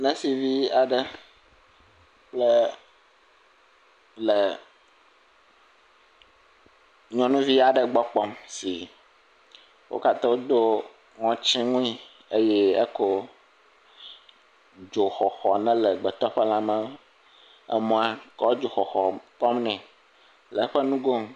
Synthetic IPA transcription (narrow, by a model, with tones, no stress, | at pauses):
nɛ̃˦si˨vi˦a˨ɖə˦ | k͡plə˦ | lɛ˨ | ɲɔ̃˦nũ˦vi˦a˨ɖə˦ɡ͡bɔ˦k͡pɔ˦msi˨ | wʔo̰˦ka˦t̪ɔ̃˦wo˦d̪o˦ | ŋɔ̃˦t͡ɕĩ˦ŋũ˦i˦ | e˦jɛ˦e˦ko˦ | d͡ʒo˨xɔ˨xɔ˨nɛ̃˦lɛ˨ɡ͡bɛ˨t̪ɔ˦ɸɛ˦la˦mɛ̃˦ | ɛ̰˦mɔ̃˦a˦kɔ˦d͡ʒo˨xɔ˨xɔ˨k͡pɔ˦mnɛ̃˨ | lɛ˨˦ɸɛ˦nũ˦ɡo˦m